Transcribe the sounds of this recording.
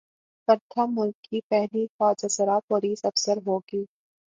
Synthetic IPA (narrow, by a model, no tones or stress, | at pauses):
kəɾd̪ʱʰamːʊlkʰːipɛɦlixɔːd͡ʒəsəɾapoːliːsɐfsəɾɦoːɡiː